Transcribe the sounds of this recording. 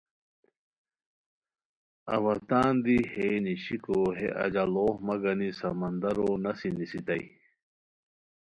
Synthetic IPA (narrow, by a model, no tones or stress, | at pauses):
ɐ̰ʋɐt̪aːnd̪iheːniɕikoːɦḛʔɐ̰d͡ʑaloːhmɐɡɐnisɐmɐnd̪ɐɾoːnɐsinisit̪ɐi